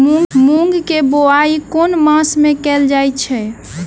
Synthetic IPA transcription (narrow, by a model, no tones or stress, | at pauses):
mũmũŋɡkeboaikonmãsmekɛld͡ʒajt͡ʃʰɛ